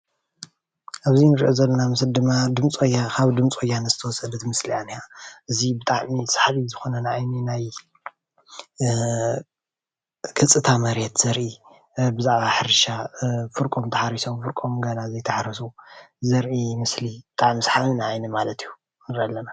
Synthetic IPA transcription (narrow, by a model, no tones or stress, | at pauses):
ʔaβzinɨɾʔozɐlːɐnamɨsɨld̪ɨmːad̪ɨmt͡sʼojːakʰaβd̪ɨmt͡sʼojːanɐzɨt̪ʰɐwɔsʼɐd̪ɐt̪mɨslianːiaʔɨzibɨt̪ʼaʕmisḁħaβizɨxo̞nɐnaʔajninaj | kʰɨt͡sʼːɨt̪ʰamɐɾet̪z̥ɐɾʔi | bɨzaʕβaħɨɾʃafɨɾkʼo̞mt̪ʰɐħaɾiso̞mfɨɾkʼo̞mɡɐnazɐjt̪ʰɐħaɾisu | zɐɾʔimɨslibɨt̪ʼaʕmisħaminaʔajnɐmalɐt̪ijːu | nɨɾialːɐna